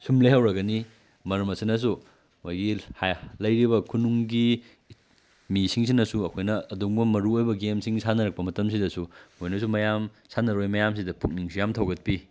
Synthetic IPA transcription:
sumlejhɐwɾɐɡɐni | mɐɾɐmɐsinɐs̬u | mojɡihalɐjɾibɐkʰunuŋɡi | misiŋsinːɐsuɐkʰojnɐːduŋbɐmɐɾuojbɐɡemsiŋsʰanɐɾɐk̚pɐmɐtɐms̬idɐsumojnɐsumɐjam | sanɐɾojmɐjamsidɐpuk̚niŋsujamtʰɐwɡɐt̚pi

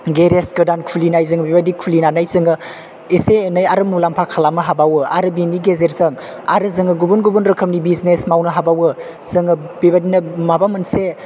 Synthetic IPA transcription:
ɡeɾesɡɯdankʰulinajzɯŋbebadikʰulinanajzɯŋɯ | esenəjaɾɯmulampʰakʰalamɯɦabawɯaɾɯbiniɡezeɾzɯŋ | a̰ɾɯzɯŋɯɡubunɡubunɾɯkʰəmnibiznesmawnɐɦabawɯ | z̥ɯŋɯ | bibadinɐmabamɯnse

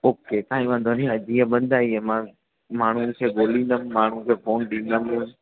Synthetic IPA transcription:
oːkesãːĩmãd̪ʱəniãd͡ʑiːə̃ɓə̃nd̪ʱaːiẽmã | maːɳ̤ũkʰeːɡoːlĩːnd̪əmmaːɳ̤̃ũkʰeːfoːnɗĩːnd̪əm

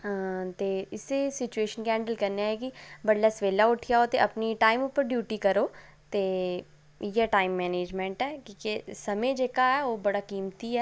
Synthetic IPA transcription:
t̪eːɪsesɪt͡ʃueːʃənkɛ̃ːɳɖəlkəɾneaːekibəɽlaːsʋeːlaːʊʈʰɪjaːot̪eʔəpniʈaːɪmʊpːəɾɖjuːʈiːkəɾoː | t̪eː | jɛːʈaːɪmːɛːneːd͡ʒmɛ̃ːɳʈɛːkĩːkesəmẽd͡ʒeːkaɛːoːbəɽaːkiːmt̪iɛː

